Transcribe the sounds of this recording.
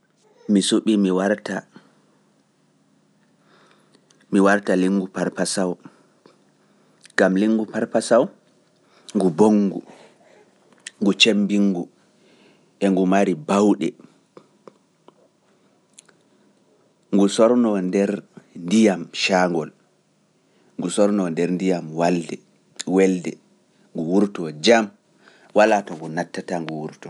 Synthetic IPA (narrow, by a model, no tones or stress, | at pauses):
misuɓimiwaɾta | miwaɾtaliŋːɡupaɾpasaw | ŋɡamliŋːɡupaɾpasaw | ŋɡuboŋːɡṵ | ŋɡut͡ʃembiŋɡu | ʔɛŋɡumaɾibawɗɛ̰ | ŋɡusɔɾnɔndɛɾndijamʃaŋɡɔl | ŋɡusɔɾnɔndɛɾndijamwaldɛ | wɛldɛ | ŋɡuwuɾtɔd͡ʒam | walatɔŋɡunatːataŋɡuwuɾtɔ